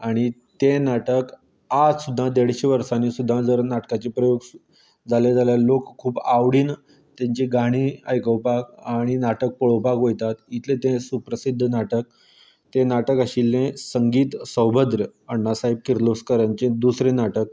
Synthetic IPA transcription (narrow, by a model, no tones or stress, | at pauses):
aɽ̃it̪enaʈək | ad͡zsud̪ʱːãd̪eɽɕeʋəɾsanisud̪ʱːãd͡zəɾnaʈkat͡ɕepɾəjoɡ | d͡zaled͡zaljalokkʰːuːbaʋɽiːn | t̪jaɲt͡ɕiɡʱaɽ̃iːəjkəwpakaɽ̃inaʈək̚poɭ̤əwpakɦojt̪at̪it̪lẽt̪ẽsupɾəsid̪ʱːnaʈək̚ | t̪enaʈəkəɕilːẽsəŋɡiːt̪səwbʱəd̪ɾəəɳːasaɦib̚kiɾloskəɾaɲt͡ɕẽd̪usɾenaʈək̚